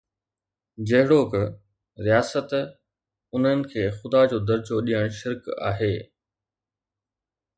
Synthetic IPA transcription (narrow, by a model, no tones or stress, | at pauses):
d͡ʑɐɦɪɽok | ɾijaːsət̪ | ʊn̤ənɪ̆kʰeːxʊd̪ad͡ʑoːd̪ɐɾd͡ʑoɗijəɽ̃ʃɪɾka̰ːɦeː